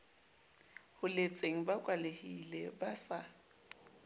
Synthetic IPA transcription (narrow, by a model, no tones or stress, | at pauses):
hʊlet͡sʼeŋ̩bakʼwalehilebasa